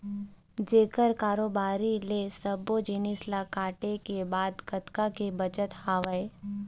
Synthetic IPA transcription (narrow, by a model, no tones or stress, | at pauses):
d͡ʒeːkəɾkaːɾoːbaːɾilesəbod͡ʒɪnɪslakaːʈekebaːd̪kɐt̪kakebɐt͡ʃət̪haːʋəe